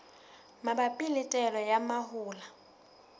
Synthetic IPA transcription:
mabapʼɪlɪtʼɛlɔjamahʊːla

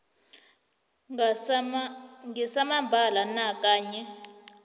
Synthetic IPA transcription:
ŋɡɛsamambʱalanak̬ʼaːɲɛ

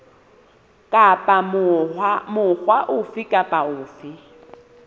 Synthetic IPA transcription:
kʼapʼa | mʊχwaʔʊfɪkʼapʼaʊːfɪ

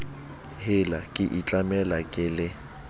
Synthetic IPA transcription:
hɪlakʼɪʔit͡ɬʼamɛlakʼɪlɪ

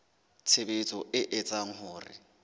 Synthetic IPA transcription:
t͡sʰebɪt͡sʼɔʔɪʔɪt͡sʼaŋ̩ɦʊːrɪ̰

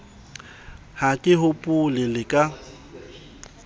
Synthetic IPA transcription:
hakʼɪɦʊpʼʊlɪlɪkʼa

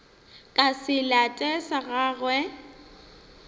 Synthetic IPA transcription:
kʼasɪlatʼɛsaɣaːɣwɛ

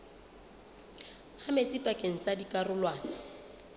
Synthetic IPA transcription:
hamet͡sʼɪpʼakʼeŋ̩t͡sadikʼarʊlwaːnɪ

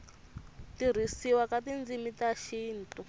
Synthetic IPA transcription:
tir̤isiwakatind͡zimitaʃiːntu

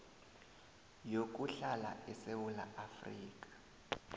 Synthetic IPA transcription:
jok̬ʼuɬala̰ʔɛsewulaʔafriːk̬ʼḁ

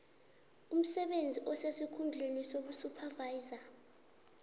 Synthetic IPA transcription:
um̩sɛɓend͡zʱiʔɔsesikʰund͡ɮʱenisoɓusupʰavaiza

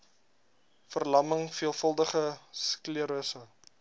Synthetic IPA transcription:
fərlɐməŋfiəlˠfəlˠdəχəskliəɾəsə

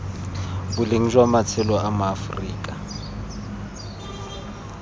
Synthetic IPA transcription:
bʊleŋ̩ʒwamat͡sʰɛlɔamʊafriːkʼa

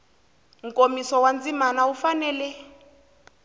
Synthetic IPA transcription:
ŋ̩komisɔwand͡zimanaufanɛːlɛ

